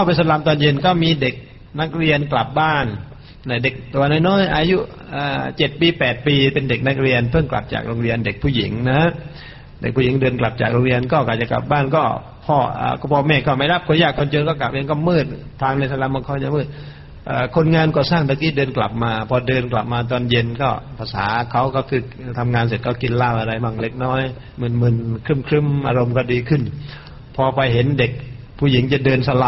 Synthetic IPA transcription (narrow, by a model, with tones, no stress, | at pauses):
kʰa˧˩wpa˧sa˧laː˧˥mt̪ɔː˧˨nje˧nkɔː˥˩miː˧de˨˩k̚ | na˦˥k̚ɾi˧ənkla˨˩p̚baː˥˩nː | a˧˩de˨˩k̚t̪u˧nɔː˧˩jnɔː˥˨jʔaː˧ju˦˥ | ʔaː˨˧˩t͡ɕe˨˩t̪̚piː˧pɛː˨˩t̪̚piː˧pe˧nde˨˩k̚na˦˥k̚ɾi˧ənpʰɤ˥˩ŋkla̰˨˩p̚t͡ɕa̰ː˨˩k̚ɾo˧ŋɾi˧ənde˨˩k̚pʰuː˧˩ji˨˩˦ŋna˦˥h | de˨˩k̚pʰuː˧˥˩ji˨˦ŋdɤː˧nkla˨˩p̚t͡ɕa̰ː˨˩k̚ɾo˧ŋ˧ɾi˧ənkɔː˥˩kaː˨˩t͡ɕa˨˩kla̰˨˩p̚baː˥˩nkɔː˥˩ | pʰɔː˧˩a̰ː˧˩kɔ˧˩pʰɔː˧mɛː˧˩kɔː˥˩ma˥˩jɾa˦˥˩p̚kʰo˧njaː˧˩kʰːo˧nt͡ɕoː˧nkɔː˥˩k̬la˨˩p̚i˧˦ŋkɔː˥˩mɯː˧˥˩t̪̚ʰːaː˧ŋna˧˩t̪sʰa˧la˧˨ma˧˨kʰɔ˧˩˨ɲa˧˨mɯː˧˩t̪̚ | ʔaː˧˩kʰo˧nŋaː˧nkɔː˧˩saː˧˩ŋt̪ʰa˧kiː˧˥˩dəː˧nkla̰˨˩p̚maː˧pʰɔː˧dɤː˧nkla̰˨˩p̚maː˧t̪̬ɔː˧˩nje˧nkɔː˧˩pʰa˧sa̰ː˨˦kʰa˧˥˩wkʰɔ˧˩kʰɯː˧˩˧t̪ʰa˧mŋaː˧ns̬e˨˩t̪̚kɔː˧˩ki˧nlaː˧˩˨wʔa˧ɾa˧˩jba˧˩ŋle˧˩k̚nɔː˧˥˨j | mɯ˧˩˨nmɯ˧˩˨nkʰɯ˧˥˩mkʰɾɯ˧˥˨mʔaː˧ɾo˧mk̬ɔː˧˩diː˧kʰɯ˧˩˨n | pʰɔː˧pa˧jɦe˨˦nde˨˩k̚ | pʰuː˧˩˨ji˨˦ŋt͡ɕa˧˩˦dɤː˧nsa˧la˧